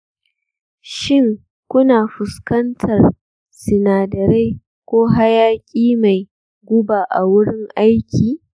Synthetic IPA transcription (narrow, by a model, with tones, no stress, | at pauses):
ʃɪ˦ŋ | kʷʊ˦naː˨ɸʊ˨skɐ˦ntʰɐ˨r | sɪ˨naː˨dɐ˨ɾa˦j | kʷoː˦ɦa˦jaː˦kʲʼiː˦ma˨j | ɡʷʊ˦baː˨ʔa˨wʊ˦ɽɪ˦ŋʔa˦jkʲiː˨